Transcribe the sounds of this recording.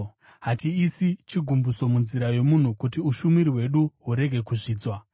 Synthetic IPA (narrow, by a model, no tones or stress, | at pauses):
ɦatiːsit͡ʃiɡʱumbuso̞munziɾaje̞mun̤ukutiuʃumiɾiwe̞ɗuɦuɾe̞ɡʱe̞kuʐiːd͡zwa